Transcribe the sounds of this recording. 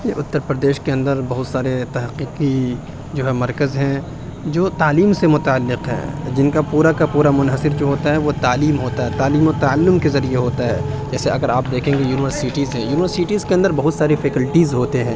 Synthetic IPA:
jḛʔʊt̪ːəɾpɾəd̪eːʃkeɐ̃nd̪əɾbɐɦʊt̪saːɾet̪ɐɦəqiːqi | d͡ʒoːɦɛmɐɾkəzɦɛ̃ | d͡ʒoːt̪aːliːmsemʊt̪aːəlːɪqɦɛ̰̃ːd͡ʒɪnkapuːɾakapuːɾamʊnɦəsɪɾd͡ʒoːɦoːt̪aɦɛʋot̪aːliːmɦoːt̪aɦɛːt̪aːliːmot̪aəlːʊmkezɐɾieɦoːt̪aɦɛːd͡ʒɛːseɐɡəɾaːp̚d̪eːkʰẽːŋɡejuːnɪʋəɾsiʈiːzɦɛ̃ːjuːnɪʋəɾsiʈiːzkeɐ̃nd̪əɾbɐɦʊt̪saːɾifɛːkəlʈizɦoːt̪eɦɛ̃ː

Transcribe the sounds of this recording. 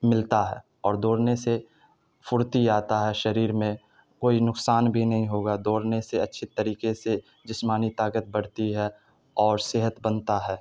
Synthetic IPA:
mɪlt̪aɦɛ̰ː | ɔːɾd̪oːɽnese | fʊɾt̪iaːt̪aɦɛʃɐɾiːɾmẽ | koːinʊksaːnbʱinɐɦĩɦoːɡad̪oːɽneseɐtːʃʰet̪ɐɾiːkese | d͡ʒɪsmaːnit̪aːkət̪̚bɐɽ̤t̪iɦɛ | ɔːɾsɪɦət̪bənt̪aɦɛː

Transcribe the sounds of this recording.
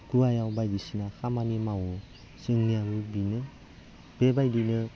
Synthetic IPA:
kɾuajawbajdisinakʰamanimawɔ | sɯŋniabɯbinɯ | b̥ebajdinɯ

